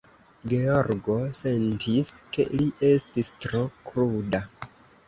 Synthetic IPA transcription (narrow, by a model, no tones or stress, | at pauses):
ɡe̞o̞ɾɡo̞se̞ntʰiske̞̰liʔe̞stistɾo̞kɾuda